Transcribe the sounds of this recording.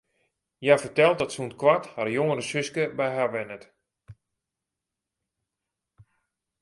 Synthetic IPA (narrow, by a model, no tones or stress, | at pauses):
jafərtɛlˠt̚dɔtsunkwatharjoŋəɾəsøskəbɛjɦaʋɛnət